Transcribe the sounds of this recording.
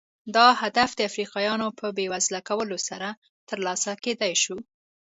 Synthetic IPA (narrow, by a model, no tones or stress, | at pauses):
d̪ɑhad̪afd̪əafɾiqɑjɑnopəbewazlakawəlosaɾa | t̪əɾlɑsaked̪ajʃu